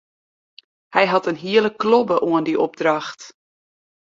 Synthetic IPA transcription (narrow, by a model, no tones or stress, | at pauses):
hɛjɦɑtənɦiələklobəʔoəndiʔɔb̚drɑxt